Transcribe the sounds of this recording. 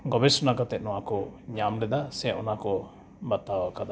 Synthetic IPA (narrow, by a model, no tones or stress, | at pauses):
ɡɔbɛsunakat̪ɛt̪̚nɔwakɔɲamlɛd̪asɛʔɔnakɔ | bat̪ːawakad̪a